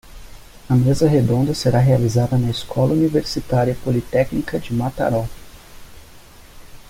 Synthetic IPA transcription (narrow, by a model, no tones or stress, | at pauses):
ɐmezɐɦed̪õnd̪ɐseɾaɦealizad̪ɐnɐiskʰɔlɐuniveɾsit̪aɾjɐpolit̪ɛknikɐd͡ʒɪmat̪a̰ɾɔ